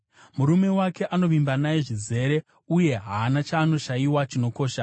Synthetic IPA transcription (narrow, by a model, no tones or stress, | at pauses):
muɾume̞wake̞ʔano̞ʋimbanaeʐize̞ɾe̞ | uje̞ɦaːnat͡ʃaːno̞ʃajiwat͡ʃino̞ko̞ːʃa